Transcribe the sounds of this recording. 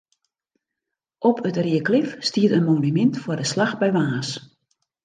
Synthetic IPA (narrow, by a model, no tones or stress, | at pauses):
ʔɔpʰətriəklɪfstiətənmoːnymɪntfʊrdəslaxbɛjʋaːs